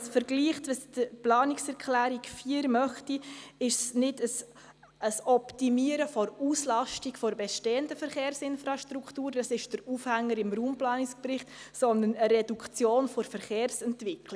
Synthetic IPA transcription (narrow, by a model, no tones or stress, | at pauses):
sfəɾɡliːχtɑsd̥əplɑːnɪksɛɾkʰlæːɾikfiːəɾmœχtiɪʃsnɪdəs | əsɔptimiəɾəfɔɾuːslɑʃtikfɔɾbɛʃteːəndəfəɾχeːɾsɪnfɾɑʃtɾuktuːɾd̥ɑsɪʃd̥əɾuːfhæŋːəɾɪmruːmplɑːnikspɾɪχtsɔndənəɾɛdukt͡sjoːnfɔɾfəɾχeːɾsɛntvɪkli